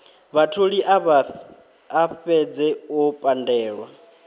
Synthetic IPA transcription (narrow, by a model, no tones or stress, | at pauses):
βatʰoɺiʔ | afɛd͡zɛɔpʼandɛːɺwa